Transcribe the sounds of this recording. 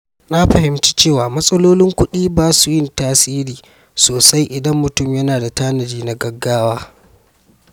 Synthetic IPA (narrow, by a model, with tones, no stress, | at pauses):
na˦ɸɐ˨ɦɪ˨mt͡ʃiː˦t͡ʃeː˦˨waː˨mɐ˦sʼɐ˦loː˦lɪ˦ŋkʷʊ˦ɗiː˦baː˦su˨jɪ˦ntaː˦siː˦ɾiː˨ | soː˨sa˦jʔɪ˨dɐ˦mːʊ˨tʊ˦˨mjɐ˦naː˨da˨taː˦nɐ˨d͡ʒiː˦na˨ɡɐ˦ɡːaː˦waː˦